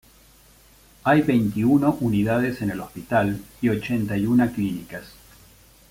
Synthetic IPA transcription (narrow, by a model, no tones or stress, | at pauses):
ajβejnt̪iunoʔuniðaðese̞nelo̞spit̪alio̞t͡ʃent̪ajunaklinikas